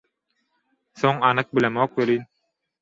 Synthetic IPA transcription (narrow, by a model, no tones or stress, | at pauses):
θoŋɑnɯq̚bilemoːk̚belin